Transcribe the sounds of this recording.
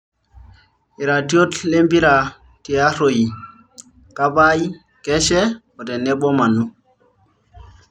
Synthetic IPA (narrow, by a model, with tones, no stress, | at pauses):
i˨ɾa˨ti˦o˦tle˦mbi˦ɾa˨ | ti˨a˦ɾo˨ji˨ | ka˦ba˦ji˦ | ke˦ʃe˦ | o˨te˨ne˦ɓo˦ma˨nu˦